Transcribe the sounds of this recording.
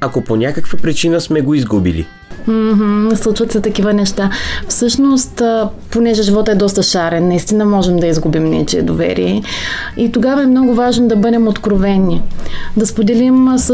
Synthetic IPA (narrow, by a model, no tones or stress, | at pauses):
akoponʲakəkvəpɾit͡ʃinəsmɛɡoizɡubḭlḭ | m̩ɦ̩slˠut͡ʃvət̪sɛt̪ɐkivənɛʃt̪afsɤʃnost̪ponɛʒɛʒivɔt̪əɛd̪ɔst̪əʃaɾɛnːɐist̪inəmɔʒɛmd̪ɐizɡubimnʲɛ̰t͡ʃiɛ̰d̪ovɛ̰ɾḭjɛ | it̪oɡavɐɛmnɔɡʊvaʒnod̪ɐbɤd̪ɛmot̪kɾovɛnid̪ɐspod̪ɛlims